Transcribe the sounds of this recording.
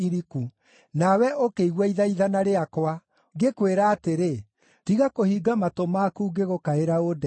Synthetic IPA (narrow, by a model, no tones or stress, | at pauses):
iɾiku | nawɛʔokeiɣwɛiðaiðanaɾeakwa | ɡekweɾaːteɾe | tiɣakohiɡamatomakuɡeɣokaeɾaodɛ